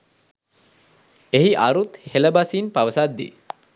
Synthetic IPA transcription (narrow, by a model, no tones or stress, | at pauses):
eɦiʔaɾut̪heləbasinpaʋəsad̪ːḭ